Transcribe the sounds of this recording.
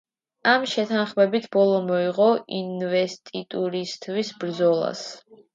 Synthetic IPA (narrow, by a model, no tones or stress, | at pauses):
amʃɛt̪ʰanχmɛbit̪ʰbɔlˠɔmɔiʁɔinvɛst̪ʼit̪ʼuɾist̪ʰwisbɾd̪zɔlˠa̰s